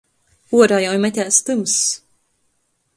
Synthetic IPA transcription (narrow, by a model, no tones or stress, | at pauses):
uɔɾajawjmɛt̪ʲæːst̪ɨms